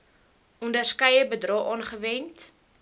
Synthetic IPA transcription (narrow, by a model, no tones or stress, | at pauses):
ɔndərskɛjəbədrɔχʔɑːnχəvɛnt